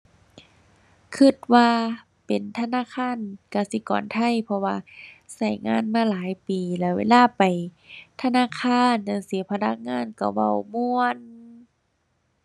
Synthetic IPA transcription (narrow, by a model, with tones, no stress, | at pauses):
kʰɯ˧t̪̚waː˧ | pe˨˩nt̪ʰa˧naː˧˥˨kʰaː˧˥˨nka˧˩si˧˦kɔ̰ː˨˩nt̪ʰa˧˥˨jpʰɔ˧waː˧sa˧˩jŋa̰ː˧˥˨nmaː˧˥˨laː˨˦jpiː˨˩lɛ˧˩wḛː˧˥˨laː˧˥˨pa˨jt̪ʰa˧naː˧˥˨kʰaː˧˥˨nːa˧˩ŋsi˨˦pʰa˧na˧˥k̚ŋaː˧˥˨nka˧˩wa̰˧˩wmu˧ən